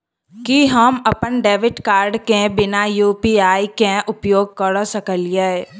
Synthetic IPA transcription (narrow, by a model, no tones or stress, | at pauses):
kiɦəmɐpənɖeːʋɪʈkaːɾɖkẽbɪnajuːpiaːikẽʔʊpjoːɡ̚kəɽosɐkəlije